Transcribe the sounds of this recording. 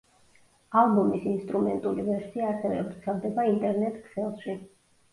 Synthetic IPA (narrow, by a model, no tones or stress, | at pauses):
alˠbumisinst̪ʼɾumɛnt̪ʼulivɛɾsiaːɾsɛvɛ̰bɾt̪sʰɛlˠd̪ɛbaint̪ʼɛɾnɛt̪ʰʼkʰsɛlˠʃi